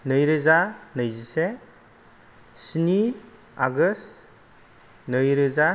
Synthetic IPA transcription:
nɯjɾɯzanɯjzise | sini | a̰ɡɯs | nɯjɾɯza

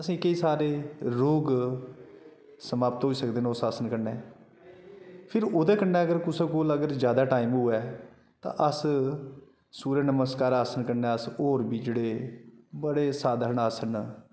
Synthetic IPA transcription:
əsĩːkəiːsaːɾeːɾoːɡ | səmaːpt̪ɦoːiːsəkd̪eːnːʊsaːsənkəɾnɛː | pʰɪɾoːd̪eːkəɾnːɛ̃ːəɡəɾkʊsẽːkoːləɡəɾzjaːd̪aːʈaːiːmɦʊɛː | t̪ã̰ːʔəs | suːɾeːnəməskaːɾaːsənkəɾnɛːəsoːɾbiːd͡ʒeːɽeːbəɽeːsaːd̪ʱəəɳaːsəɳ

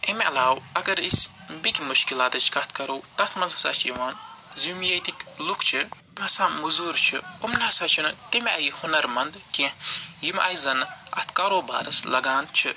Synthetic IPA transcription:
ʔimɐ̰laːwɐɡɐɾis | bikʲmuʃkilaːt̪ɨt͡ʃʰkɐt̪ʰkɐɾuwt̪ɐt̪ʰmɐnzsa̰t͡ʃʰiwaːnzumjejt̪iklukʰt͡ʃʰɨ | mɐsaːmuzuɾt͡ʃʰɨ̰ʊmnasat͡ʃʰinɨt̪imʲɐjhʊnɐɾmɐnd̪kʲejimʔɐ̰jzɐnɨɐ̰t̪kaɾoːba̰ːnɨslɐɡaːnt͡ʃʰɨ

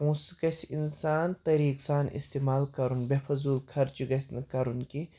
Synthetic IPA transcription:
ũːskɐsinsaːnt̪ɐɾiːksaːnḭst̪eːmaːlkɐɾunbefʰɐzuːlkʰɐɾt͡ʃiɡɐsnɨkɐɾunki

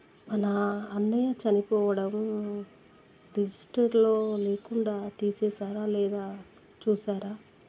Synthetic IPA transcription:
mɐnɐːnːɐjat͡ʃɐnipɔːʋɐɽɐm | ɾid͡ʒisʈɐɾlo̞ːleːkuɳɖaːt̪iːsɛːsaːɾaːlɛːd̪aː | t͡ʃuːsaːɾaː

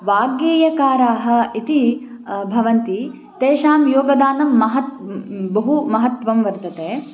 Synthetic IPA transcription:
ʋaːɡjeːjɐkaːɾaːɦɐ̆it̪i | bʱɐʋɐnt̪i | t̪eːʃaːmjoːɡɐd̪aːnɐmːɐɦɐt̪bɐɦumɐɦɐt̪ʋɐmʋɐɾt̪ɐt̪eː

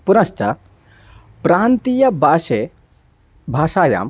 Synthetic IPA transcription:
punɐʃt͡ʃɐ | pɾaːnt̪ijɐbaːʃe | bʱaːʃaːja̰ːm

